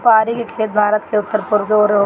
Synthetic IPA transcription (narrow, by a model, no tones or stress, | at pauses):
paːɾikekʰeːt̪̚bʱaːɾət̪keʊt̪ːəɾpʊɾkeoːɾo